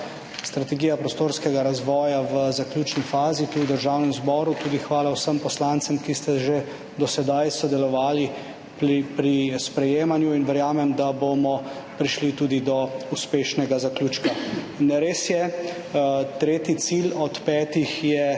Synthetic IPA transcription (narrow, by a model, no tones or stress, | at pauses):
st̪ɾat̪ɛɡijapɾɔst̪oːɾskɛɡaɾazʋɔːjaʋəzaklʲuːt͡ʃnifaːzit̪uwd̪əɾʒawnɛmzbɔːɾut̪uːd̪ixʋaːlawsəmpɔslant̪sɛmkist̪ɛʒe | d̪ɔsɛd̪ajsɔd̪ɛlɔʋaːli | pipɾispɾɛjeːmanjuinʋɛɾjaːmɛmd̪abomɔpɾiʃlit̪uːd̪id̪ɔuspeːʃnɛɡazaklʲuːt͡ʃka | nɛɾeːsjɛ | t̪ɾeːt̪it̪silɔt̪pɛːt̪ixjɛ